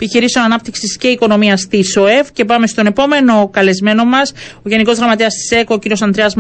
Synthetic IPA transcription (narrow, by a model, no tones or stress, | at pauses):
epiçiɾisio̞nɐnɐp̚t̪iksisce̞iko̞no̞miɐst̪isoe̞fce̞pɐme̞st̪o̞ne̞po̞me̞no̞kɐle̞zme̞no̞mɐso̞ʝe̞niko̞zðɾɐmɐt̪eɐst̪i̥se̞kociɾiosɐnd̪ɾeɐzm